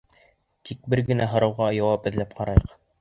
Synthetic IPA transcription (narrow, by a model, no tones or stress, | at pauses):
t̪ʰik̚bɘɾɡɘ̆næɦɤ̆ɾɤwʁɑjɑwɑpɘ̆ðlæp̚qʰɑɾɑjɤq